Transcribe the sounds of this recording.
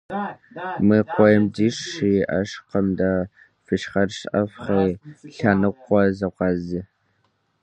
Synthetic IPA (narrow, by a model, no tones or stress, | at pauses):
mɨqʷɔjɛmdiːʂiːʔɐ̰ʂqəmda | fɨʃχɐrʂʔɐfχɐɬanɨqʷːɔzɐqʷɑzɨ